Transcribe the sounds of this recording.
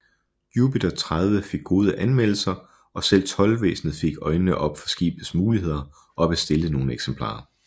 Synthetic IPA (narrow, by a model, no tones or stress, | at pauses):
juːpʰid̥ɐt͡sʰʁað̞ˠʋəfe̝ɡ̥ːo̝ːð̞ˠəʔænmel̰l̩sɐ | ɒ̽sel̰t͡sʰɒ̽lʋḛːsn̩ð̩ˠfe̝ɡ̥ɒ̽ɪnənəʔɒ̽b̥fɒ̽sɡ̥ḭːb̥ð̩ˠsmuːliɦe̝ð̞̰ˠɐ | ʔɒ̽æb̥esd̥e̝lð̩no̝ːn̩eɡ̥sempʰl̥ɑ̰̈ː